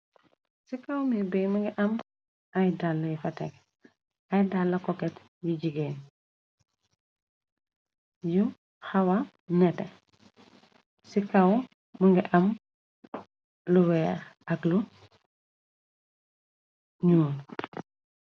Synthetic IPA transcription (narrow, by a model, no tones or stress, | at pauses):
sikawmɛbɛjmɐŋɡiʔɐm | ajdalːɐjifɐtɛk | ɐjdalːɐkɔkɛt | juɟiɡɛn | ju | xɐwɐ | nɛtɛ | sikaw | məŋɡiʔɐm | luwɛːɾɐklu | ɲuːn